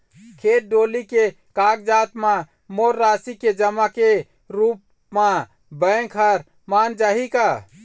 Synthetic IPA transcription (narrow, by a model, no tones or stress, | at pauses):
kʰeʈ̚ɖolike | kak̚d͡ʒat̪mã | moɾːasiked͡ʒəmake | ɾup | mã | bəkʰəɾ | mand͡ʒaɦika